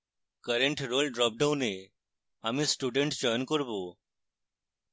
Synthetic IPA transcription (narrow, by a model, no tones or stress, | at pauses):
kəɾeɳʈɾolɖɾɔp̚ɖawne | amĩsʈuɖẽɳʈd͡ʑəjnkəɾbo